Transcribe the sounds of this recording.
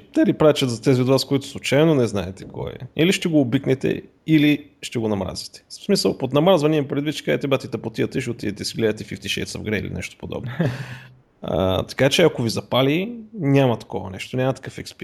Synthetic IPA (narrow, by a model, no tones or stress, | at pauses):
t̪ɛvʲipɾaɛt͡ʃɐt̪zɐt̪ɛziod̪vaskoit̪ʊ̥slˠut͡ʃajnonɛznaɛt̪ɛ̥kʰɔ̰jɛ̰iliʃt̪ɛɡoːbiknɛt̪ɛ̰ | iliʃt̪ɛɡonɐmɾa̰zi̥t̪ɛ̥smisəlˠpot̪nɐmɾazvɐnʲiɛmpɾɛd̪vit̪t͡ʃɛ̥kaɛt̪ɛbat̪it̪ɐpot̪iət̪ɛʃot̪id̪ɛt̪ɛsiɡlɛd̪ɐt̪ɛfift̪iʃɛ̰sɐ̰vɡɾɛḭlḭnɛ̰ʃt̪o̥pod̪ɔ̰bn | a̰t̪ɐ̥kat͡ʃɛɐkovizɐpalinʲamɐt̪ɐ̥kɔvɐ̰nɛʃt̪onʲamɐt̪ɐ̥kɤfɛkspi